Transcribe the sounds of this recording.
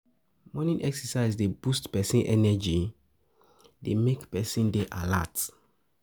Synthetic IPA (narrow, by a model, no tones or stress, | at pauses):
mɔnĩnʔɛksɛsaɪzdebustpɛsĩnʔɛnɛd͡ʒi | demekpɛsĩndeʔala̰t